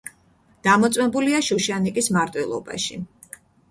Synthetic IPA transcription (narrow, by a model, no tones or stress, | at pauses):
d̪̥amɔt̪sʼwmɛbuliaʃuʃanikʼismaɾt̪ʼwilˠɔ̰ba̰ʃḭ